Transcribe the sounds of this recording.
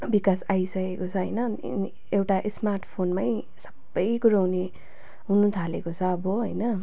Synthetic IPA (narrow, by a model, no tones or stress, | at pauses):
bikasajsʌkekot͡sʰʌɦʌjnʌ̰ | n | ewʈaʔismarʈpʰonmaj | sʌ̥bːʌjkuɾawne | ɦunut̪ʰalekot͡sʰʌːbʌɦojnʌ